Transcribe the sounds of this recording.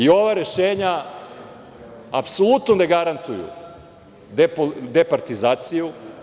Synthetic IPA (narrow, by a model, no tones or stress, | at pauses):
io̞ʋaɾe̞ʃeːɲa | apsolˠut̪noneɡaɾant̪ujṵ | d̪epod̪epaɾt̪izaːt̪siju